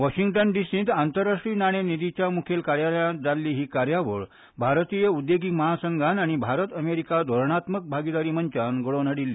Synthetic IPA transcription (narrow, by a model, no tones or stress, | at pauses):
ʋaɕiŋɡʈənɖisĩːt̪ant̪əɾːaʂʈɾiːnaɽ̃enid̪it͡ɕjamukʰelkaɾjaləjat̪d͡zalːiːɦiːkaɾjaʋəɭ | bʱaɾt̪ijəud̪jeɡiːkməɦasəŋɡʱanaɽ̃ibʱaɾət̪əmeɾikad̪ʱɔɾɳat̪mək̚bʱaɡid̪aɾiːmənt͡ɕanɡəɭonəɽilːiː